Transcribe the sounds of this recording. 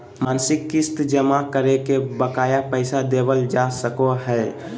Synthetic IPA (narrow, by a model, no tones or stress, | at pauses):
mansɪkːɪst̪d͡ʒəmakəɾekebəkaːjapəɪsad̪ebəld͡ʒasəkoɦɛ